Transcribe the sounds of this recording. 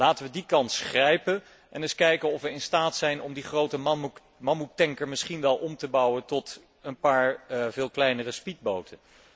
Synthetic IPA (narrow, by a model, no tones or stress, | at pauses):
laːtəʋədikɑntsχrɛjpən | ʔɛnɪskɛjkənɔfʋəɹɪnstaːtsɛjnɔmdiχrowtəm | mɑmutɛŋkəɹmɪsχinʋɛlˠʔɔmtəbɑwəntɔt | ənpaːɹvɪːlˠklɛjnərəspid̚bowtʰən